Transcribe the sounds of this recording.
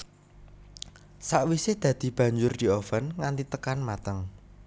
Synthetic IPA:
saʔwised̪̥ä̤d̪̥i̤b̥ä̤ɲd͡ʒʊrd̪̥i̤ofənŋant̪it̪əkanmat̪əŋ

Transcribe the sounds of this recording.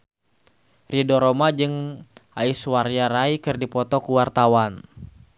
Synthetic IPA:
rʔidɔɾɔmad͡ʒɨŋaiswaɾiaɾaikɨrdipɔt̪ɔkuwart̪awan

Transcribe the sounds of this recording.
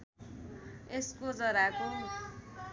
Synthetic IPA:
eskod͡zʌɾako

